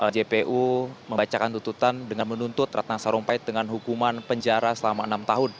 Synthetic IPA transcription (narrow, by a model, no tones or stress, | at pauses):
ʔəd͡ʒepeʔuməmbat͡ʃakant̪unt̪ut̪andəŋanmənunt̪ʊt̪ra̰t̪asaɾɔŋpaɪt̪̚dəŋanɦukumanpəɲd͡ʒaɾasəlamaənamt̪aɦʊn